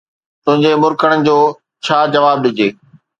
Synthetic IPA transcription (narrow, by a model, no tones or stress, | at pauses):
t̪ʊ̃ɦɪ̃ɲd͡ʑemʊɾkəɽənɪ̆d͡ʑoː | t͡ɕʰaːd͡ʑɐʋaːb̚ɗɪd͡ʑʱeː